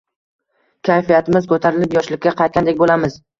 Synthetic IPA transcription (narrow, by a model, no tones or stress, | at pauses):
kʲʰajfijat̪ʰɪmɪzkʰɵt̪ʰaɾɪlɪpjɒʃlɪkʲːaqʰɑjt̪̚kʲand̪ekʲbolamɪz̥